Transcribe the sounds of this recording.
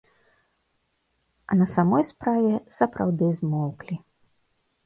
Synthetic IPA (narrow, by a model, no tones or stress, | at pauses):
ɐnɐsamɔjspɾavʲɛsɐpɾawd̪ɨzmɔwklʲi